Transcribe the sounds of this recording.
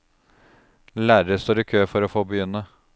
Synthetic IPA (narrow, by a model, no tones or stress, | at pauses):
læːɾəəst̪oːɾiːkʰøːfɔɾoːfoːbəjʏnə